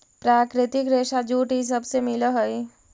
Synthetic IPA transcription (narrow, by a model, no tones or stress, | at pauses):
pɾaːkɾɪt̪ɪkɾeːʃad͡ʒuːʈɦis̬əbsemɪləɦəj